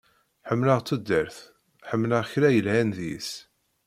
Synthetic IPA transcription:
ħəmːləʁt͡sːud̪ːəɾθ | ħəmːləʁçɾæjəlhænðḭs

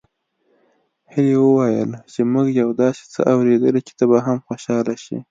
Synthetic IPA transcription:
hilewəwajə̰lt͡ʃemuɡjawd̪ɑsi̥t͡sə̰ʔawɾed̪əlit͡ʃɪ̥t̪abaɦamxoʃɑlaʃḭ

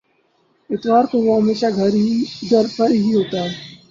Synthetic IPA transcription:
ɪt̪ʋaːɾkoʋoɦɐmeːʃaɡʱɐɾid̪əɾpəɾɦiɦoːt̪aɦɛː

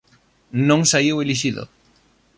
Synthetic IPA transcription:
nõŋsaiweliʃ̬iðo̰

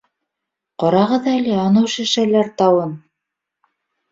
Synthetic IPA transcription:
qɑɾɑʁɤðɑælʲɘɑnɤwʃɘ̆ʃælæɾt̪ɑwɤn

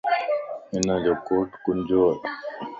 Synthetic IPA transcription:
ɪnãːd͡ʑoːkoːʈkʊnd͡ʑoː

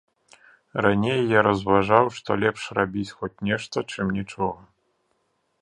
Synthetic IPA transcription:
ranʲejːaɾɐzvaʐawʂt̪ɔlʲɛpʂrabʲit͡sʲxɔt͡sʲnʲɛʂt̪ɐt͡ʂɨmnʲit͡ʂɔɣɐ

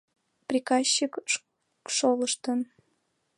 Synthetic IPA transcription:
prʲikɑɕːik | ʃoləʃt̪ən

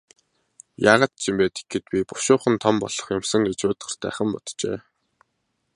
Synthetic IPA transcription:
jaːʁaːt̪̚t͡ɕʰimpeːt̪i̥ɡɘ̆t̪̚pʲipʊ̥ʃʊːχə̆nt̪ʰɔmpɔ̰ɮ̥ɞ̆χjʊmsə̆ŋɡet͡ɕʊːt̪ɢə̆r̥t̪æ̰ːχə̆mpɔt̪t͡ɕḛː

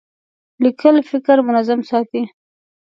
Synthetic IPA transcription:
likʰəlfɪkɾmʊnazamsɑt̪i

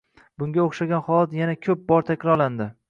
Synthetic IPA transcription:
bʊŋɡʲaoχʃaɡʲanχɒlˠat̪janakʲʰɵp̚bɒɾt̪ʰakʲɾɒɾland̪ɪ

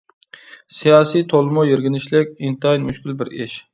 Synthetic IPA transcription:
sijɑːsijt̪ʰolˠɨmʊjeɾɡʲɪnɪʃlɪkʲint̪ɑjnmyʃkʲilbɪɾɪʃ

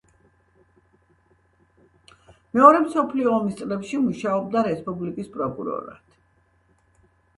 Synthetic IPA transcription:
mɛɔɾɛmsɔpʰliɔːmist̪sʼlɛpʃimuʃaɔb̚d̪aɾɛspʼublikʼispʼɾɔkʼṵɾɔ̰ɾa̰t̪ʰ

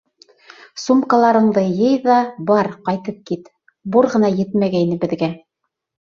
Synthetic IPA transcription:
sumkɑlˠɑɾɤ̆ɴd̪ɤjɤjðɑbɑɾqɑjt̪ɤp̚kit̪ | buɾʁɤ̆nɑjɘ̆t̪mæɡæinɘbɘ̆ðɡæ

